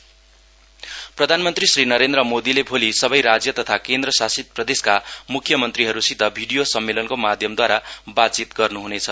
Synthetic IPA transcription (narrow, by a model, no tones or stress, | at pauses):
prʌd̪ʱanmʌnt̪risrinʌɾend̪rʌmod̪ilebʱolisʌbʌjɾad͡zjʌt̪ʌt̪ʰakend̪rʌsasit̪̚prʌd̪eskamukʰjʌmʌnt̪riɦʌɾusid̪ʱːʌbʱiɖijosʌmːelʌnkomad̪ʱjʌmd̪waɾabat̪̚t͡sit̪ɡʌrnuɦunet͡sʰʌ